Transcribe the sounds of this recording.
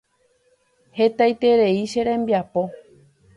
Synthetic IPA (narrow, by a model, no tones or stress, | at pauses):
het̪ajt̪e̞ɾe̞iʃe̞ɾẽmbiapo̞